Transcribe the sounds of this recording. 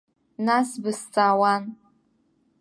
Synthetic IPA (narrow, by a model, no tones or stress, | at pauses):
nasbɨst͡sʼaːwan